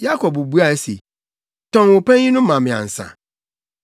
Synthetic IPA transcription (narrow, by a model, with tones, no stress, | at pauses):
ja˦kʰɔ˨bu˨bu˦a˨˦sḛ˨ | tʰɔ̃˦nwʊ˨pʰɛ̃˦n˦ĩ˦nʊ̃˦ã˨mɪ̃˨ã̰˨n̩˨sã̰˨